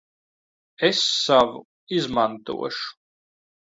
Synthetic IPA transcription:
esːavṵ | izmant̪ṵɔ̰ʃu̥

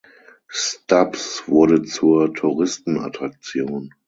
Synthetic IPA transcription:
stapsv̥ʊɐɾət͡suːɐtʰuʁɪstn̩a̰tʁ̥ak̚t͡sjoːn

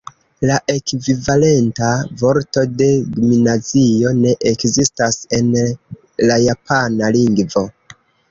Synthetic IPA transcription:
laʔe̞kvivale̞ntavo̞ɾto̞de̞dominazio̞ne̞ʔekzistase̞n | lajapʰanaliŋɡvo̞

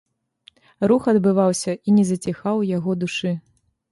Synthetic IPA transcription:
ruxɐd̪bɨvawsʲɐʔinʲɛzɐt͡sʲixawjaɣɔd̪uʂɨ

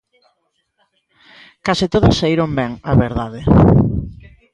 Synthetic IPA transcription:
kasɪt̪oðosːaiɾombɛŋaβeɾðaðe

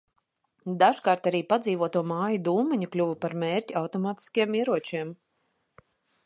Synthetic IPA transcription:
d̪aʒkaːɾt̪aɾiːpad̪zʲiːvuɔt̪uɔmaːjud̪uːmɛɲuklʲuvupaɾmeːɾtʲiawt̪ɔmaːt̪i̥skajɛmiɛɾuɔt͡ʃiɛm

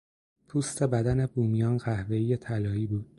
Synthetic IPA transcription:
pʰuːst̪ʰe̞bæd̪æne̞buːmijɒːnɢæhve̞ijet̪ʰælɒːiːbuːd̪̥

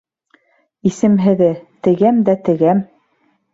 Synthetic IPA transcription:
isɘ̆mɦɘ̆ðɘt̪ɘ̆ɡæmd̪æt̪ɘ̆ɡæm

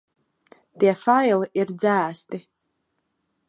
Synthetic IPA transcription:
d̥efaelird͡zaːstʼi

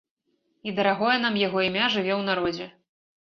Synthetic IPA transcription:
id̪ɐɾaɣɔjɐnamjaɣɔimʲaʐɨvʲɛwnaɾɔd͡zʲɛ

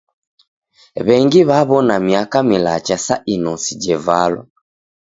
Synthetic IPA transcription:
βɛŋɡiβaβɔnamiakamila̰t͡ʃasa̰ʔinɔsid͡ʒɛvalɔ̰

